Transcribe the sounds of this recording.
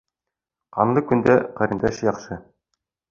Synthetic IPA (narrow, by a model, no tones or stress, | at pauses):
qɑnlˠɤkɵ̆nd̪æqæɾɘ̆nd̪æʃjɒqʃɤ